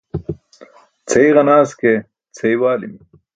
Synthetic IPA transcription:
t͡sʰeiʁɐnaːske | t͡sʰejwaːlḭmi

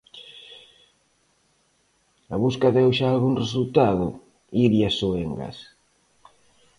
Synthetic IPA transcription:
aβuskaðewʃaːlɣuŋresult̪aðʊ | iɾjasoeŋɡa̰s

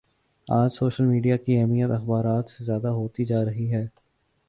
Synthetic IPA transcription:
aːd͡ʒsoːʃəlmiːɖijakiɛɦmijət̪ɐxbaːɾaːt̪sezjaːd̪aɦoːt̪id͡ʒaːɾɐɦiɦɛː

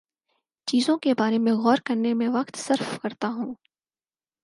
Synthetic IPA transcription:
t͡ʃiːzõkebaːɾemẽɣɔːɾkɐɾnemẽʋɐqt̪sɐɾfkɐɾt̪aɦũː

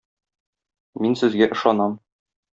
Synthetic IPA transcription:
minsɘ̆zɡæʔɤ̆ʃɑnɑm

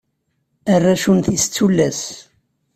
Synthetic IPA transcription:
ərːaʃunθist͡sːulːæs

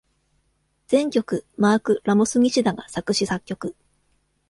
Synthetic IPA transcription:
d͡z̥ẽ̞ŋkʲo̞kɯ̟maːkɯ̟ɾamosɨɲ̟ʲiɕid̪aɡasakɯ̟ɕisakʲːo̞kɯ̟

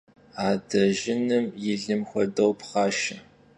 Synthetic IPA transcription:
aːdɐʒɪnɨmjɪɮɨmxʷɔdɐwpχaːʃɐ

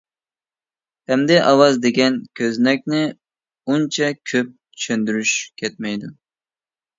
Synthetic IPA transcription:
hɛmd̪ɛʔɑwɑzd̪eɡʲɛnkʲʰøznɛk̚ʲnɪ | unt͡ʃʰɛkʲʰøp̚tt̪ʰy̥ʃønd̪yɾyʃkʲʰɛt̪̚mɛjd̪u

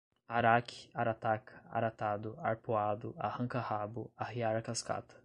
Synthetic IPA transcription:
aɾakʰi̥aɾat̪akʰa̰ɾat̪ad̪ʊa̰ɾpoad̪ʊahɐ̃kahabʊahiaɾɐkaska̰t̪ɐ̥

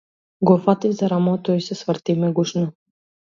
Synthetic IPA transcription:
ɡɔfat̪ivzaɾamɔt̪ɔisɛsvə̆ɾt̪imɛɡuʃnɔ

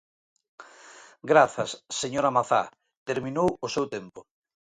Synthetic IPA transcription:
ɡɾaθɐsːeɲoɾamaθa̰ | t̪eɾmĩnowʊsewt̪empʊ

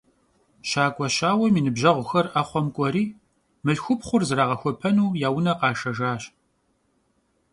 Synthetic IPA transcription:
ʃaːkʷʼɔɕaːwɐmiːnɨbʑɐʁʷʊxɐraχʷɔmkʷʼɔɾiː | mɨɬxʷʊpχʷʊrzɨɾaːʁɐxʷɔpʰɐnuːjaːwʊnɐqɑːʃɐʒaːɕ

